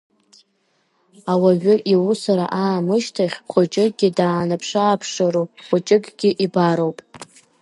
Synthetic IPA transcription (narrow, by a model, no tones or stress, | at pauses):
awaʒᶣʊʔiwusaɾa̰ʔaːmɨʃtʰaχʲχʷʊt͡ʃʼɪɡʲɪdaːnapʰʂaːpʰʂaɾuχʷʊt͡ʃʼɪkɡ̥ʲɪʔibaɾowpʼ